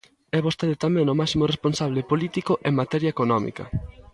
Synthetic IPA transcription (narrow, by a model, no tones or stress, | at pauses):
ɛβost̪eðɪt̪amɛ̃ŋomasimoresponsaβlepolit̪ikoʔeŋmat̪ɛɾjɐekonɔmḭkɐ̰